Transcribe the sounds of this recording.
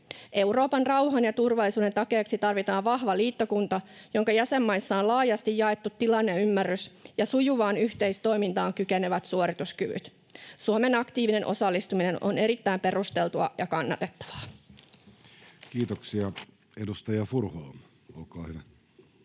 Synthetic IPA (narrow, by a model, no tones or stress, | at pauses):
ʔe̞wɾo̞ːpɑnrɑwɦɑnjɑt̪urʋɑlːˑisuːdet̪ɑke̞ːksit̪ɑrʋit̪ɑːʋʋɑhʋɑliːt̪ːokunt̪ɑjoŋkɑjæsemːɑjsːɑonlɑːjɑst̪ijjɑet̪ːut̪ːilɑnːeymːærːysjɑsujuʋɑːnyçt̪e̞ist̪o̞imint̪ɑːŋkykeneʋæt̪suoɾit̪uskyʋy̰t̪ | suome̞nɑkt̪iːʋine̞nʔo̞sɑlːist̪umine̞nʔo̰ne̞ɾit̪ːæimpe̞rust̪e̞lt̪uɑ̰jɑkɑnːɑ̰t̪e̞t̪ːɑ̥ʋɑ̥ː | kiːt̪oksiɑ | edust̪ɑjɑfurhoːm | o̰lkɑːhyʋæ